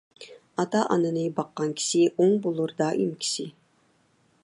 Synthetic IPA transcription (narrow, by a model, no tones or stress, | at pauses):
ɑt̪ɑʔɑnɨnɨbɑqːɑnkʲʰi̥ʃɪʔoŋbolˠuɾd̪ɑʔimkʲʰi̥sɪ